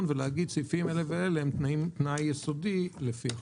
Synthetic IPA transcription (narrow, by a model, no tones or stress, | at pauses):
nvelehaɡid̪̚t͡sifimeleveeleemt̪nimt̪najːesodilefia